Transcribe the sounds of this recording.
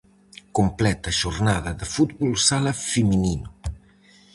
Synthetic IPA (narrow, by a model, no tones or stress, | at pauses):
kumplɛt̪aʒurnaðaðəfut̪bulsalafəmininu